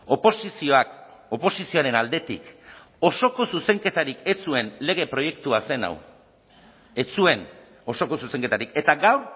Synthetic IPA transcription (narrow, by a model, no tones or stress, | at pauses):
oposisioako̞po̞sisio̞aɾe̞nald̪e̞t̪ḭk | o̞so̞ko̞suse̞ŋke̞t̪aɾike̞t͡sue̞nle̞ɣ̞e̞pɾo̞je̞kt̪uase̞na̰w | e̞t͡sue̞n | o̞so̞ko̞suse̞ŋke̞t̪aɾike̞t̪aɡawɾ